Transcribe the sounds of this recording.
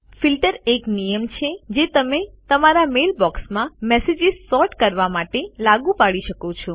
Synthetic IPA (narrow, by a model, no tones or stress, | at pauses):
filʈəɾeknijəmt͡ʃʰed͡ʒet̪əmet̪əmaɾamelbɔksmãmɛsed͡ʒizsɔɾʈkəɾʋamaʈelaɡũpaɭiʃəkot͡ʃʰɔ